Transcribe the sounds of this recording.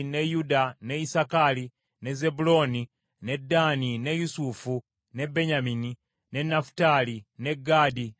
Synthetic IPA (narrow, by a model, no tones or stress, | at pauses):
ne̞judane̞isakali | ne̞ze̞bulo̞ːni | ne̞dːaːnine̞jusufu | ne̞beɲamini | ne̞nːafu̥taline̞ɡadi